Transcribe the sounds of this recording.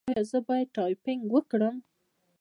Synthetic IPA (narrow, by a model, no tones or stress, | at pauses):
jazəbɑjad̪̚ʈɑjpɪŋɡwəkɽəm